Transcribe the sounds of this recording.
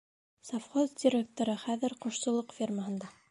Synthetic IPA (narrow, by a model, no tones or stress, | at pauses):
safχozdʲɪɾʲek̚t̪oɾɤχæðɘɾqŏʃsŏlˠɤqfʲirməɦɤ̆nd̪ɑ